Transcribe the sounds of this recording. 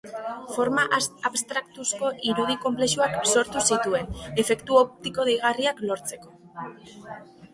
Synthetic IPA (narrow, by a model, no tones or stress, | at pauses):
fo̞ɾmaʔaβst̪ɾakt̪usko̞ʔiɾuð̞iko̞mple̞ʃuakso̞ɾt̪usit̪ue̞ne̞fe̞kt̪uo̞p̚t̪iko̞ð̞ejɣ̞ariaklo̞ɾt͡se̞ko̞